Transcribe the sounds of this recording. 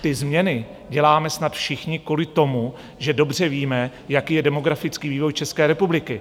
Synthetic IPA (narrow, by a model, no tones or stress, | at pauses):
t̪ɪzmɲɛnɪ | ɟɛlaːmɛsnat̪fʃɪxɲɪkulɪt̪o̞mu | ʒɛdo̞br̝ɛviːmɛ | jakiːjɛdɛmo̞ɡɾafɪt͡skiːviːvo̞jt͡ʃɛskɛːɾɛpublɪkɪ